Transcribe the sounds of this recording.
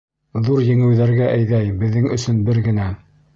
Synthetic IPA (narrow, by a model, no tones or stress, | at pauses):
ðuɾjɘ̆ŋɘ̆wðæɾɡæʔæjðæjbɘ̆ðːɘŋɵ̆sɵnbɘɾɡɘ̆næ